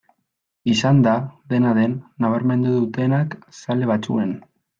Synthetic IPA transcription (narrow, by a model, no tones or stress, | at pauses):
isand̪aðe̞naðe̞nːaβ̞aɾme̞nd̪uðut̪e̞naksale̞β̞at͡sṵe̞n